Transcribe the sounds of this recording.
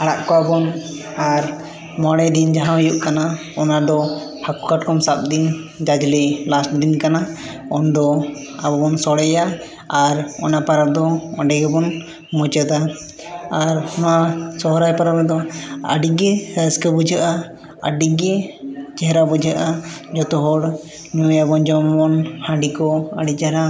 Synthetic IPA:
aɽa̰ʔkɔabɔn | aɾ | maɽɛd̪ind͡ʒaɦãɦɔjuʔkana | ɔnad̪ɔhaku̥kaʈkɔmsap̚d̪in | d͡ʒad͡ʒlɛlasʈd̪inkana | ɔnd̪ɔ | abɔbɔnsɔɽɛja | aɾɔnapaɾad̪ɔɔ̃ɖɛɡɛbɔn | mɔd͡ʒəd̪a | aɾɔnasɔɦɾajpaɾabɛd̪ɔə̰ɖiɡɛhəskabud͡ʒʱaʔa | əɖiɡɛd͡ʒɛɦɾabud͡ʒʱaʔad͡ʒɔt̪ɔɦɔɽ | ɲujabɔnd͡ʒɔmbɔnhãɖikɔaɖid͡ʒɛɾa

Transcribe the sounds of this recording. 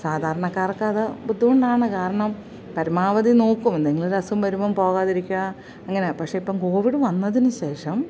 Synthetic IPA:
saːd̪ʱaːɾɐɳɐkːaːrkːɐɐðɨbud̪ʱːuɣoɳɖaːɳɨkaːɾɐɳɐm | pɐɾumaːʋɐðino̞ːkːumend̪eŋːɐɭoɾɐsumʋɐɾumɐmpo̞ːɣaːðiɾikʲːuɣɐ | ɐŋːɐne̞pɐkʂe̞ipːoːmko̞ːʋiɽɨʋɐnːɐðinɨɕe̞ːʂɐm

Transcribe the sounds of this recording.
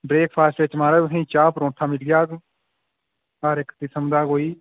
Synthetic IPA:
bɾeːk̚pʰaːsʈet͡ʃmaːɾaːʊsẽːt͡ʃaːpɾõːʈʰaːmɪlɡjaːɡ | aːɾɪkt̪ɪsəmd̪aːkoːiː

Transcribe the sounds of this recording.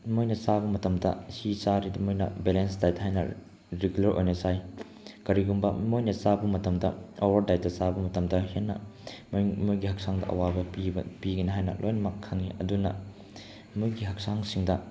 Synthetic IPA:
mojnɐsabɐmɐtɐmdɐ̰sisaɾidɐmojnɐ̰belenstajtɦajnɐ̰ | ɾeɡulɐɾʔo̰jnɐsaj | kɐɾiɡumbɐmojnɐsabɐmɐtɐmdɐowɐɾdajtɐsabɐmɐtɐmdɐhenːɐ̰mmujɡihɐk̚saŋdɐʔɐ̰wabɐpipiɡɐniɦajnɐ̰lʔojnɐmɐkʰːɐŋiɐdunɐ | mujɡiɦɐk̚saŋsiŋdɐ

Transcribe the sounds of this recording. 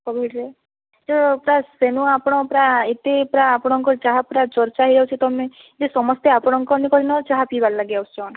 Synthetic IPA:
kɔbiʈɾe | d͡ʒɔpɾasenuapɔɽ̃ɔpɾaet̪epɾaːpɔɽ̃ɔŋkɔɾt͡ʃaɦapɾat͡ʃɔɾt͡ʃaɦiɾawt͡ʃʰit̪ɔmẽ | d͡ʒesɔmɔst̪eapɔɽ̃ɔŋkɔnikɔɾinɔt͡ʃaɦapibaɾlaɡjawst͡ʃɔn

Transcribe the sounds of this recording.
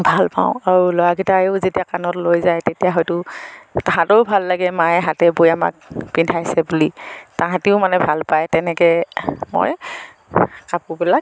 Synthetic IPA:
bʱalpa̰ʊ̃aɹulɔjaɡitaʊzetijakanɔtlojzajtetijaɦɔjtʊtaɦãtɔʊbʱalːaɡɛmaɛɦatɛbojama̰k̚pintʰajsɛbulitaɦãtiʊmanɛbʱalpajtɛnɛkɛmo̰j | kapubilak̚

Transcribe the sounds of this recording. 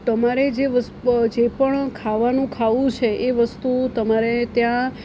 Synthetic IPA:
t̪əmaɾed͡ʒeʋəsd͡ʒepəɳkʰaʋanũkʰaʋũt͡ʃʰeʔeʋəst̪ut̪əmaɾet̪jã

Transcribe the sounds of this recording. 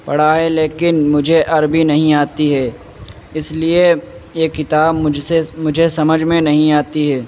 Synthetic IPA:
pɐɽ̤aɦɛleːkɪnmʊd͡ʒʱeʔɐɾbʱinɐɦĩaːt̪iɦɛː | ɪsliejekɪt̪aːbʊsemʊd͡ʒʱesɐməd͡ʒʱmẽnɐɦĩaːt̪iɦɛː

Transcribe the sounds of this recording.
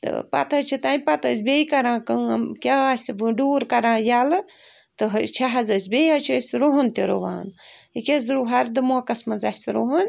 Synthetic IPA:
t̪ɨ̰pɐ̰t̪ɐt͡ʃʰit̪aːnpɐt̪əs̬beikɐɾãːkɐkʲasʲɨɖuːɾkɐɾãːjalɨ | t̪ɨɦɐt͡ʃʰaɦɐzɐs̬ʲbejɦɐt͡ʃʰəsɾoɦunt̪eɾoʋa̰ːnikʲez̬ɾuɦɐɾd̪ɨmoːkɐsmɐzasɾoɦun

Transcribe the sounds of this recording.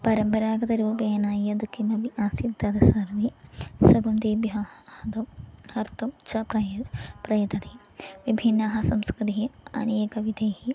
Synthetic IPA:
pɐɾɐmpɐɾaːɡɐt̪ɐɾuːpeːɐnaːjɐd̪kimɐbiʔaːsit̪ɐd̪ɐsɐɾʋisɐbumd̪iːbjɐhɐd̪ohɐɾt̪ut͡ʃɐppɾɐjɐt̪ɐt̪i | ʋibʱinːɐɦɐsɐmskɾit̪iɦiɐ̰neːkɐʋid̪eːhi

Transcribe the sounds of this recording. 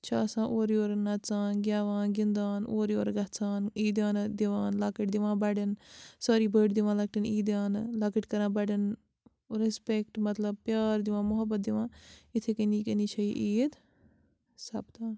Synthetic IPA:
t͡ʃʰaːsãːʔoːɾjoːɾnɐtt͡saːnɡʲjaːʋãːnɡind̪aːnoːɾjoːɾɡɐt͡saːniːd̪aːnd̪iʋaːnlaːkəʈ̚d̪iʋãːbɐɖinsaːɾiːbəːʈd̪iʋãːlɐk̚ʈiniːd̪jaːnlaːkəʈkɐɾãːbɐɖɐn | ɾespekʈmɐt̪lɐb̚pjaːɾd̪iʋãːmʊɦɐbːɐt̪̚d̪iʋãːit̪ʰekiniːkɐnit͡ʃʰɐiʔiːd̪ | sɐ̰bt̪aːn

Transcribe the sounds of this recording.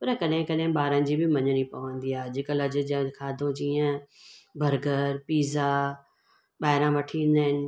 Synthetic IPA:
pɐɾkɐɗɦɪ̃kɐɗɦɪ̃ɓaːɾə̃nɪ̆d͡ʑiːbɪmɐ̃ɲəñipɐʋə̃nd̪iaːɦd͡ʑɪkəlɐd͡ʑʊ̆d͡ʑ̃kʰaːd̪ʱõd͡ʑiːə̃bʱɐɾɡəɾpiːzaː | ɓaːɪɾãʋɐʈʰĩnd̪aɦɪnɪ̆

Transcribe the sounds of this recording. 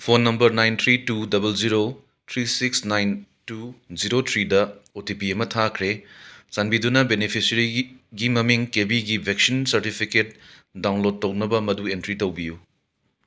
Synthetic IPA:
pʰonːɐmbɐɾnajnt̪ʰɾitudɐbɐld͡ʒiɾo | tʰɾisiksnajntuziɾotʰɾidɐotipiɐmɐtʰakʰɾesanbidunɐbenipʰisɐɾiɡimɐmiŋkebiɡibʱek̚sinsɐɾtipʰiket̚dawnlod̚tːɐwnɐbɐmɐduentɾitɐwbiju

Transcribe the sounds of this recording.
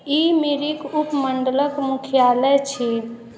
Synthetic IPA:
imiɾikupməɳɖələkmukʰijaləjt͡ʃʰi

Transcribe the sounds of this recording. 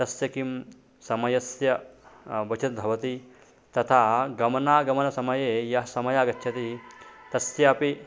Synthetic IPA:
t̪ɐsjɐkim | sɐmɐjɐsjɐ | bɐt͡ʃʰɐt̪̚bʱɐʋɐt̪i | t̪ɐt̪ʰaːɡɐmɐnaːɡɐmɐnɐsɐmɐjeːjɐɦsɐmɐjaːɡɐt͡ʃːʃʰɐt̪it̪ɐsjɐɐpi

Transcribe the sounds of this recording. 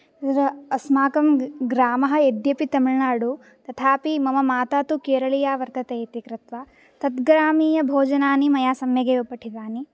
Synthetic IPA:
ɾɐɐsmaːkɐmɡɾaːmɐɦɐ̆ed̪jɐpit̪ɐmiɭnaːɽu | t̪ɐt̪ʰaːpimɐmɐmaːt̪aːt̪ukeːɾɐɭijaːʋɐɾt̪ɐt̪eːt̪ikɾɪt̪ʋa | t̪ɐt̪ɡɾaːmiːjɐbʱoːd͡ʒɐnaːnimɐjaːsɐmjɐɡeːupɐʈʰid̪aːni

